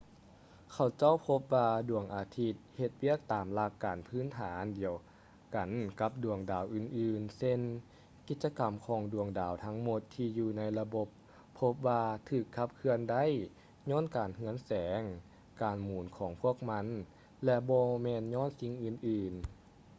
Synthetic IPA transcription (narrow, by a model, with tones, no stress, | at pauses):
kʰa˨˩wt͡ɕa˥˩˨wpʰo˧˥p̚waː˧du˨˩əŋʔaː˨˩t̪ʰi˧˥t̪̚he˧t̪̚wi˥˩ək̚t̪aː˨˩mla˧˩kːaː˨˩npʰɯː˧˥˨nt̪ʰaː˩˦ndi˨˩əw | ka˨˩nka˧˦p̚du˨˩əŋdaː˨˩wʔɯː˨˩nʔɯː˧nse˧n | ki˧t̪̚t͡ɕa˧ka˨˩mkʰɔː˨˦ŋdu˨˩əŋdaː˨˩wt̪ʰa˧˥ŋmo˧˦t̪ʰːiː˧juː˧na˧˥jla˧bo˧˦pʰː | o˧˥p̚waː˧t̪ʰɯː˧˩kʰːa˧˥p̚kʰɯ˧ənda˥˨j | ɲɔː˥˨nkaː˨˩nhɯ˧˥ənsɛː˨˦ŋ | kaː˨˩nmuː˨˩˦nkʰɔː˨˦ŋpʰu˥˩ək̚ma˧˥˨n | lɛ˧bɔː˧mɛː˧nɲɔː˥˨nsi˧ŋʔɯː˨˩nʔɯː˨˧n